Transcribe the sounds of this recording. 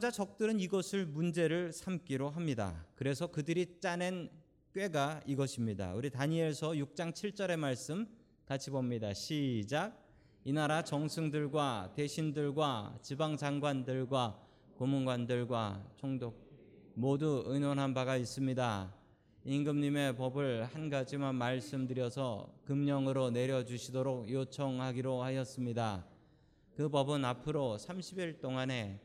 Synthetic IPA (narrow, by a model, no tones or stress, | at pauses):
d͡ʑat͡ɕʌk̚t͈ɯɾɯniɡʌsʰɯɭmund͡ʑe̞ɾɯɭsʰamk͈iɾoɦamɲida̰kɯɾe̞sʰʌkɯdɯɾit͡ɕ͈anen | k͈ɥwe̞ɡaiɡʌɕʰimɲida̰uɾitaɲiesʰʌjuk̚t͡ɕ͈aŋt͡ɕʰiɭt͡ɕ͈ʌɾe̞maɭs͈ɯm | kat͡ɕʰibomɲidaɕʰid͡ʑaɡ̚ | inaɾat͡ɕʌŋsʰɯŋdɯɭɡwate̞ɕʰindɯɭɡwat͡ɕibaŋd͡ʑaŋɡwandɯɭɡwa | komunɡwandɯɭɡwat͡ɕʰoŋdok̚ | moduɯnwʌnɦanbaɡais͈ɯmɲida | inɡɯmɲime̞pʌbɯɭhanɡad͡ʑimanmaɭs͈ɯmdɯɾjʌsʰʌkɯmɲʌŋɯɾone̞ɾjʌd͡ʑuɕʰidoɾok̚jot͡ɕʰʌŋhaɡiɾohaɕʌs͈ɯmɲida | kɯbʌbɯnapʰɯɾosʰamɕʰibiɭt͈oŋane̞